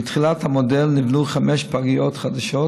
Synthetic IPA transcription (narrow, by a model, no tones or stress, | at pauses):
it̪χilat̪hamodelnivnuχameʃpaɡijot̪χad̪aʃo